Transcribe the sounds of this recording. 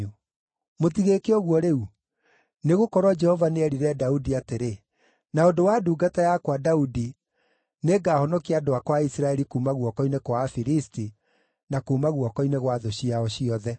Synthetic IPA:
u | motiɣekeɔɣwɔɾeu | neɣokɔɾwɔd͡ʒɛhɔvaneɛɾiɾɛdaudiateɾe | naondowaduːɡatajakwadaudi | neɡaːhɔnɔkiadoakwaisɾaɛɾikuːmaɣwɔkɔinekwafiɾisti | nakuːmaɣwɔkɔineɣwaðoɕiaɔɕiɔðɛ

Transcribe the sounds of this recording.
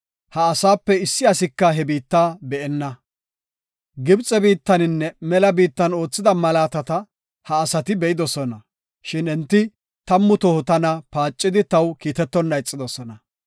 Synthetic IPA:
hɐːsaːpːɛɪsːɪɐsɪkːɐɦɛbiːt̪ːaːbɛʔɛnːɐ | ɡɪbt͡sʼɛbiːt̪ːɐnɪnːɛmɛlɐbiːt̪ːɐno̞ːt͡sːɪd̪ɐmɐlaːt̪ɐt̪ɐ | hɐːsɐt̪ɪbɛʔɪd̪ɔsɔnɐ | ʃɪnɛnt̪ːɪ | t̪ɐmːʊt̪ɔhʊt̪ɐnɐpaːt͡ʃʼːɪd̪ɪt̪ɐwkiːt̪ɛt̪ːɔnːɐjt͡sʼːɪd̪ɔsɔnɐ

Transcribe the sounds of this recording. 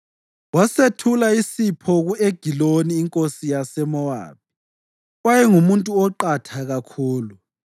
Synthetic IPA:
wasetʰulaisipʰɔɣueɡ̥ʱiloniːŋkʼosijasɛmɔwa̰ːp̚i̥ | wajɛŋumuntʼuɔǃatʰaɣakʰuːlu

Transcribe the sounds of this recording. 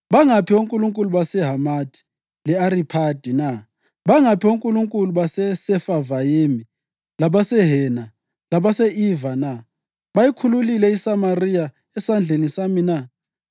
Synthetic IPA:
βaŋapʰioŋkʼuluŋkʼuluβasɛɦamadʰʱʼi̥ | lɛaripʰad̥ʱina | βaŋapʰioŋkʼuluŋkʼuluβasɛsɛfavajemi | laβasɛɦɛna | laβasɛivana | βajikʰululilɛisamarija | ɛsand͡ɮʱenisamina

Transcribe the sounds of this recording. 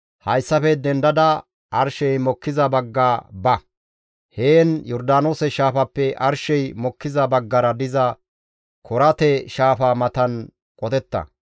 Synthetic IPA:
hɐjsːɐfɛd̪ɛnd̪ɐd̪ɐ | ɐɾʃɛjmɔkːɪzɐbɐɡːaːbɐ | heːnjɔɾd̪aːnoːsɛʃaːfɐpːɛʔɐɾʃɛjmɔkːɪzɐbɐɡːɐɾɐd̪ɪzɐ | kʰɔɾɐt̪ɛʃaːfamɐt̪ɐn | kʼɔt̪ɛt̪ːɐ̰

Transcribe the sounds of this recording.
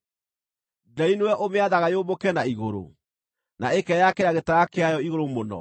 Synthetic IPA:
dainowɛʔomeaðaɣajobokɛnaiɣoɾo̰ | naekɛjakeɾaɣetaɣakeajɔiɣoɾomonɔ̰

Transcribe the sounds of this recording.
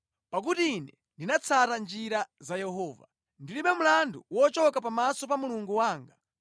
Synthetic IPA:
pak̬utiːnɛ | ndinat͡sʰatand͡ʒiɾazajɛɦɔːva̰ | ndilimɓɛm̩landuwɔt͡ʃɔkapamasɔpamuluŋɡuwaːŋɡa

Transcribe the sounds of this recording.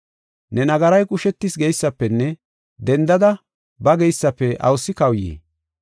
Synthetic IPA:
nɛnɐɡɐɾɐjkʼʊʃɛt̪ːɪsɡɛjsːɐpːɛnːɛ | d̪ɛnd̪ɐd̪ɐ | bɐɡɛjsːɐpːɛʔɐ̰wsːɪkɐwjḭː

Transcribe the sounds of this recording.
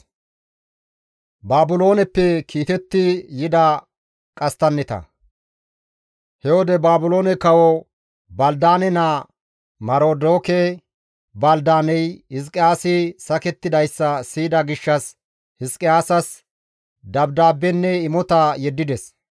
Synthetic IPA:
baːbʊlo̞ːnɛpːɛkʰiːt̪ɛt̪ːɪjɪd̪ɐ | kʼɐst̪ɐnːɛt̪ɐ̰ | hɛwɔd̪ɛbaːbʊlo̞ːnɛkɐwɔ | bɐld̪aːnɛnɐ | mɐɾoːd̪oːkɛ | bɐld̪aːnɛjhɪs̬kʼɪaːsɪsɐkɛt̪ːɪd̪ɐjsːɐsiːd̪ɐɡɪʃːɐs | hɪskʼɪaːsɐs | d̪ɐbd̪aːbːɛnːɛɪmɔt̪ɐjɛd̪ːɪd̪ɛs

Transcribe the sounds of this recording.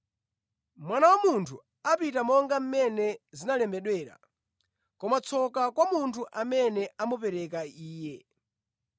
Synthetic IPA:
mwanawamuntʰu | apitamɔŋɡam̩mɛnɛzinalɛmbɛɗwɛːɾa̰ | kɔmat͡sʰɔkakwamuntʰuʔamɛnɛamupɛɾɛkaiːjɛ

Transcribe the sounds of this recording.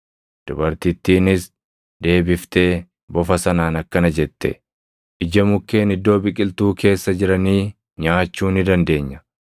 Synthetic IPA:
d̪̥ʊbɐɾt̪ɪt̪ːiːnɪs | d̪e̞ːbɪft̪e̞ː | bɔfɐsɐnaːnɐkːɐnɐd͡ʒɛt̪ːɛ̰ | ʔɪd͡ʒɐmʊkːe̞ːnɪd̪ːo̞ːbɪkʼɪlt̪uːkʰe̞ːsːɐd͡ʒɪɾɐniː | ɲaːt͡ʃːuːnɪd̪ɐnd̪e̞ːɲːɐ̥

